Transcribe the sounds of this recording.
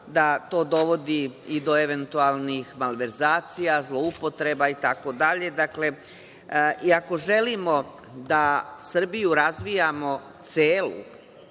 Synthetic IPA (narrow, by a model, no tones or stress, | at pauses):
d̪at̪o̞ːd̪o̞ʋo̞d̪iid̪o̞eʋe̞nt̪ualˠnixmalʋe̞ɾzaːt̪sijazlˠo̞upo̞t̪ɾe̞bait̪ako̞d̪aʎe̞d̪akle̞ | ʔiako̞ʒe̞limo̞ | d̪asr̩bijuɾazʋijamo̞t̪seːlṵ